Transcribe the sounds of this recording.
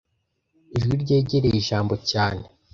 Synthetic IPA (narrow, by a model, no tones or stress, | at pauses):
iʒɡiɾɟe̞ːɟeɾejiʒaːmbo̞caːne